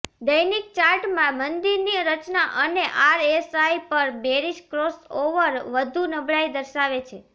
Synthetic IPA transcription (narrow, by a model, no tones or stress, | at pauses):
d̪əjnik̚t͡ʃaɾʈmãmənd̪iɾniəɾət͡ʃnaʔəneʔaɾesaipəɾbeɾiʃkɾosoʋəɾʋəd̪ʱunəbɭajd̪əɾʃaʋet͡ʃʰe